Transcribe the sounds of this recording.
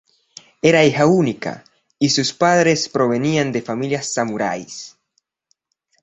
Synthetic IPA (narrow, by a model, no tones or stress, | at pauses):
eɾaixaunika̰ | isuspaðɾespɾoβeniand̪efamiljasːamuɾa̰js